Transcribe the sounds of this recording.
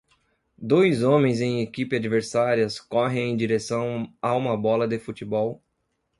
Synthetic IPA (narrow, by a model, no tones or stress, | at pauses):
d̪ojzõmẽj̃zẽj̃ekipɪad͡ʒiveɾsaɾiɐskɔɦẽj̃ẽj̃d͡ʒiɾesɐ̃w̃aũmɐbɔlɐd̪ɪfut͡ʃibɔw